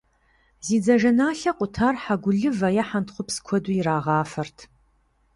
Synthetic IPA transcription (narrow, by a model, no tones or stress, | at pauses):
ziːd͡zɐʒɐnaːɬɐqʷʼʊtʰaːrħaɡʷʊɮɨvɐjɐħantχʷʊpskʷʰɔduɪɾaːʁɑːfɐrtʰ